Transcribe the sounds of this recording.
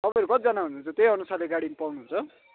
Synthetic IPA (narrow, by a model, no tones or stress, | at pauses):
t̪ʌpʌ̃j̃ɾukʌt̪id͡zʌnaɦunuːnt͡sʰʌt̪eiʌnusarleɡaɽinipawnuɦunt͡sʰʌ